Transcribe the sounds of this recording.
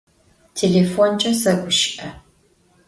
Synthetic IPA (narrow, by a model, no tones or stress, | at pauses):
tʰeːleːfont͡ʃʼɐsɐɡʷʊʃʔɐ